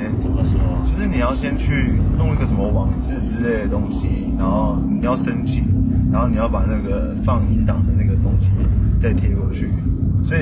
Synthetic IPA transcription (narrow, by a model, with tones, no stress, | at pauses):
mə˧˦ɔ˥t͡ɕjo˥˧ʊʂɻ̩˥˩ni˨˩jɑ˥˩ʊɕjɛ˥nt͡ɕʰy˥˧t̪ʊ˥˧ŋi˥˩ɡə˩ʂə˨˦mə˧wɑ˨˩ŋt͡sɹ̩˥˧˩t͡sɻ̩˥le˥˩ɪd̪ə˩t̪ʊ˥ŋɕi˦na˧˥nxo˥˩ʊni˨˩jɑ˥˩ʊʂə˥ŋt͡ɕʰi˨˩a˧nxo˥˩ʊni˨˩jɑ˥˩ʊpa˨˩na˥˩ɡə˩ | fɑ˥˧ŋi˧˥nt̪ɑ˨˩ŋd̪ə˦na˥˩ɡə˩t̪ʊ˦˥ŋɕi˧˥t͡sa˥˩ɪt̪ʰjɛ˧˥wɔ˨˩t͡ɕʰy˥˩swɔ˧˥i˨